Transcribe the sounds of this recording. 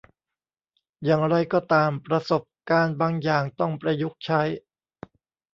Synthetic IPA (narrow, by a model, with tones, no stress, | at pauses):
jaː˨˩ŋɾa˧jkɔː˥˩t̪aː˧mpɾa˧so˨˩p̚kaː˧nbaː˧ŋjaː˨˩ŋt̪ɔ˥˩ŋpɾa˧ju˦˥k̚t͡ɕʰa˦˥j